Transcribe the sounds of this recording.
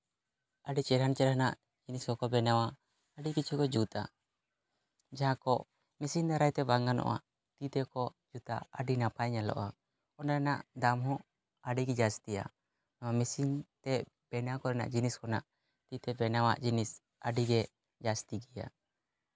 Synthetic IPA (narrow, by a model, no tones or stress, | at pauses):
aɖit͡ʃɛɾant͡ʃɛɾɦanaʔ | d͡ʒiniskɔkɔbɛnawaː | ɖikit͡ʃʰukɔd͡ʒut̪a̰ | d͡ʒaɦãkɔʔ | mɛsind̪aɾajt̪ɛbaŋɡanɔ̰ʔa̰ | t̪it̪ɛkɔ | d͡ʒut̪aʔaɖinapajɲalɔ̰ʔa | ɔnɾɛnaʔd̪amɦɔ̃ | aɖiɡɛd͡ʒast̪ija̰ | nɔwamɛsint̪ɛ | b̥ɛnakɔɾana̰ʔd͡ʒiniskɔnaʔ | t̪it̪ɛbɛnawa̰ʔd͡ʒinis | aɖiɡɛ | d͡ʒast̪iɡɛja̰